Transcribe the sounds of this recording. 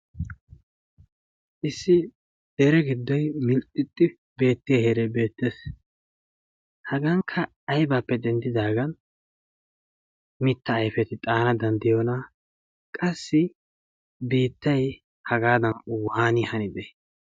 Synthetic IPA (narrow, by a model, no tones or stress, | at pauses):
ʔɪsːɪ | d̪ɛɾɛɡɪd̪ːɔjmɪlt̪ʼːɪt̪ʼːɪ | be̞ːt̪ːɪjheɾɛbe̞ːt̪ːeːs | hɐɡɐŋkʰːɐː | jbaːpːɛd̪ɛnd̪ɪd̪aːɡɐn | mɪt̪ːɐːjfɛt̪ɪt̪ʼaːnɐd̪ɐnd̪ɪjɔnɐ | kʼɐsːɪ | biːt̪ːɐj | hɐɡaːd̪ɐnʊwhaːnɪhɐnɪd̪ɛ